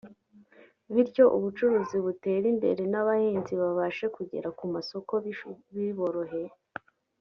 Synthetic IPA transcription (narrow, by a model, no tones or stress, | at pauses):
βiɾco̞ʔuβut͡ʃuɾuːziβute̞ːɾimbe̞̰ɾe̞naβahiːnziβaβaʃe̞kuɟe̞̰ɾakumaso̞ko̞βiβo̞ɾo̞ɦe̞